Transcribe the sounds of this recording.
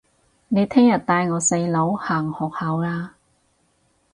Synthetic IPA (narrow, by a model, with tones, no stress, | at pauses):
ne˨˧jt̪ʰɛː˥ŋjɐ˨t̚t̪aː˧jŋɔː˨˧se˧jlo˨˥whaː˨˩ŋhɔː˨˩k̚hɐ˨˧wlaː˧